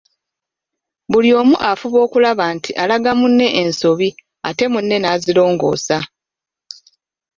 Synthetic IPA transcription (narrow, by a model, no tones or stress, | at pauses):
buljo̞ːmuʔafuβo̞ːkulaβaːntʰiʔalaɡamunːe̞ʔenso̞βi | a̰te̞munːe̞naːzilo̞ːŋɡo̞̰ːsa